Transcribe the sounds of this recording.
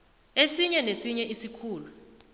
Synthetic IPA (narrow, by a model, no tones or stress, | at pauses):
esiɲɛnesiɲɛʔisikʰuːlu